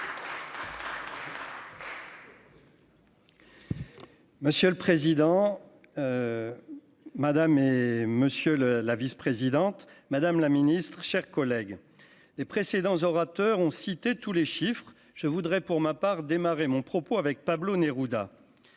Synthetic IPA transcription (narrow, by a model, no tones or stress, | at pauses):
məsjøləpχezid̪ɑ̃ | mad̪ameməsjøllavispχezid̪ɑ̃t̪mad̪amlaminist̪χʃɛʁkɔlɛɡ | lepχesed̪ɑ̃zɔʁat̪œʁɔ̃sit̪et̪uleʃifχ | ʒ̥əvud̪ʁɛpuʁmapaʁd̪emaʁemɔ̃pχɔpoavɛk̚pabloneʁud̪a̰